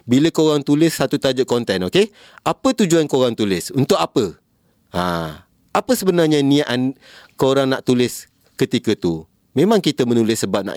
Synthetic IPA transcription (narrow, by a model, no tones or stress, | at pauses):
biləkəoɾaŋt̪ulɪsːat̪ut̪ad͡ʒʊʔ̪̚kɔnt̪ɛnoke | apət̪ud͡ʒuankəoɾaŋt̪ulɪsunt̪ʊk̚apə | ã̰ | apəsəbənarɲənĩaʔn | koɾaŋnaʔt̪ulɪs | kət̪ikət̪u | mẽmãŋkit̪əmənulɪsːəbap̚na̰ʔ